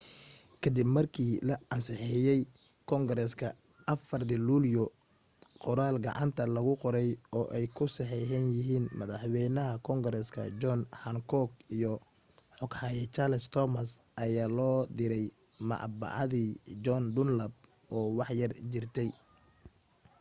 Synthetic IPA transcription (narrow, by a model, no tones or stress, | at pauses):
kʰɐd̪ɪbmɐrkʰiːlɐʔɐnsɪħɪjɛj | kʰɔŋɡɾɛskʰɐ | ʔɐfɐrd̪ɪluːljɔ | qɔɾaːlɡɑ̰ʕɑ̰nt̪ʰɐlɐɣʊqɔɾɛjɔːʔɛjkʰʊsɛħɛɦɛnjɪɦiːnmɐðɑħwɛjnɐɦɐkʰɔŋɡɾɛskʰɐ̰d͡ʒɔnhɐŋkʰɔɡijɔ | ħɔɡħɑːjɛt͡ʃarlst̪ʰɔmɐsʔɐjaːlɔːd̪ɪɾɛj | mɑ̰ʕ̰bɑ̰ʕɑðiːd͡ʒɔnd̪ʊnlɐb̚ | ʔɔːwɑħjɐrt͡ʃɪrt̪ʰɛj